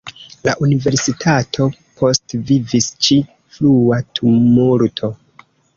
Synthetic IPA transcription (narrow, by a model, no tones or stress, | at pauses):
la̰ʔunive̞ɾsitʰatʰo̞pʰo̞stvivist͡ʃi | fluatʰumuɾtʰo̞